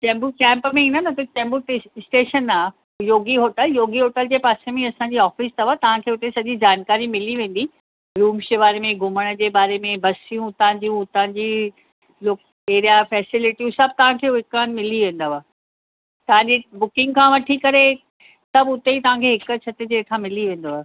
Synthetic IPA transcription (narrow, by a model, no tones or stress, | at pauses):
t͡ɕɛ̃ːmbukɛ̃ːmpmẽĩːnənɐt̪ɐt͡ɕɛ̃ːmbuʈesʈeːʃənaː | joːɡiɦoːʈəljoːɡiɦoːʈəld͡ʑeːpaːsemẽɐsãːɲd͡ʑiɔːfist̪ɐʋaːt̪ɐʋ̤ãkʰeːʊt̪esɐʄid͡ʑaːnkaːɾimɪliʋẽːn̆d̪i | ɾuːmʃɪʋaːɾemẽɡʱʊməɽ̃ə̆d͡ʑeːbaːɾemẽbɐsijũt̪ɐãd͡ʑijũt̪ɐʋãd͡ʑi | loːk̚ | eːɾijafɛːsɪlɪʈijũsɐb̚t̪ɐʋ̤ãkʰeːɪkaːnmɪliʋẽːn̆d̪oʋaː | t̪ɐʋ̤ãɲd͡ʑibʊkɪ̃ŋɡkʰãːʋɐʈʰikɐɾe | sɐbʊt̪eit̪ɐʋ̤ãkʰeɦɪkət͡ɕʰɐt̪ed͡ʑeːt̪ʰãmɪliʋẽːnd̪oaː